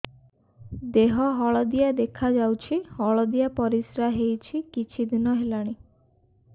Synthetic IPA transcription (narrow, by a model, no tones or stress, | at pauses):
d̪eɦɔɦɔɭɔd̪ijad̪ekʰad͡ʒawt͡ʃʰihɔɭɔd̪ijapɔɾisɾaɦejt͡ʃʰikit͡ʃʰid̪inɔɦelaɽ̃i